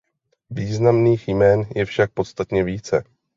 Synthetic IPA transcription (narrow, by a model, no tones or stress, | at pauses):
viːznamniːxjmɛːnjɛfʃak̚po̞t̪st̪at̪ɲɛviːt͡sɛ̰